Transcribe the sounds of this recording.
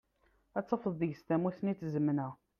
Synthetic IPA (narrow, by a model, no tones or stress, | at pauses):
æt͡sːəfəðˤiʝst̪æmuθnit͡sːzəmnə